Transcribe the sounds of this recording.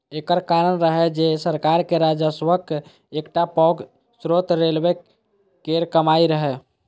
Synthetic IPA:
ekəɾkaɾənɾəɦɛd͡ʒesəɾkaɾkeɾad͡ʒəsʋək | ekʈapɔɡ | sɾot̪ɾelbe | keɾkəmaiɾəɦɛ

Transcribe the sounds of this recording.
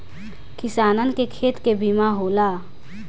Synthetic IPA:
kisanənkekʰet̪kebimaɦola

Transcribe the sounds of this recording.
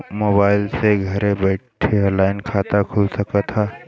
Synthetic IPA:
moːbaːɪlseɡʱɐɾẽbɛːʈʰelaːɪnkʰaːt̪akʰʊlsɐkat̪ʰaː

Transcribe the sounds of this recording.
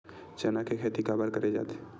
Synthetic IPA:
t͡ʃɐnakekʰeːt̪ikabəɾkɐɾed͡ʒa̰ːt̪e̥

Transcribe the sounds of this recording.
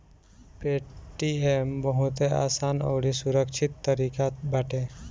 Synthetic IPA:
peːʈiembəɦʊt̪ea̰ːsaːnɔ̰ːɽisʊɾəkʃʰɪt̪ːəɾiːkabʱaːʈẽ

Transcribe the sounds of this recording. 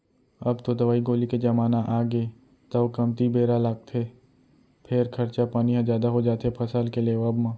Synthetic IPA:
ɐbt̪od̪ɐʋaːiɡoːliked͡ʒɐmaːnaʔaːɡeː | t̪ɐʋkɐmt̪ibʱeːɾalaːɡ̚t̪ʰeː | pʰɪɾkʰɐɾt͡ʃapaːniɦãd͡ʒjaːd̪aɦod͡ʒaːt̪epʰɐsalkeleːʋaːbmãː

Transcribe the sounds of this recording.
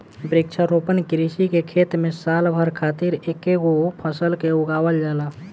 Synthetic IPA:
bɾik̚t͡ʃʰaɾopənkɾisikekʰet̪mẽsalbʱəɾkʰat̪iɾekeɡopʰəsəlkeuɡawəld͡ʒala

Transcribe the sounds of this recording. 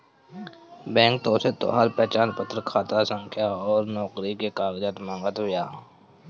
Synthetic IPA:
bɛ̃ːŋk̚t̪oːset̪o̰ːɦaːɾpɛːt͡ʃaːnpət̪ʰːɾkʰaːt̪asə̃ŋkʰjaɔːɾnɔːkɾikekaːɡd͡ʒət̪mãːŋɡət̪ɦʊjaː

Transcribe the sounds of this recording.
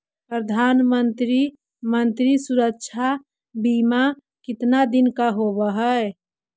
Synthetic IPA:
pɾəd̪ʱanmənt̪ɾi | mənt̪ɾisuɾəkt͡ʃʰa | bima | kɪt̪nad̪inkaɦoβəɦəe

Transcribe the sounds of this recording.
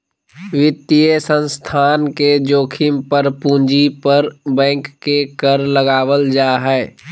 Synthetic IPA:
ʋɪt̪ːijəsə̃nst̪ʰaːnked͡ʒoːkʰɪmpəɾpũːnd͡ʒipəɾbɛ̃ːŋkːekəɾləɡaːʋəld͡ʒaːɦɛː

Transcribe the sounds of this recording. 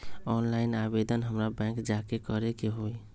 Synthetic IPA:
ɔnlaɪnabed̪ʱənɦəmɾabɛ̃ŋkd͡ʒakekəɾekeɦoj

